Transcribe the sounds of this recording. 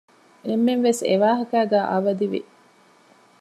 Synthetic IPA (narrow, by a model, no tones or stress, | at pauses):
emːenʋeseʋaːɦɐkæːɡæːʔɐʋɐd̪iʋḭ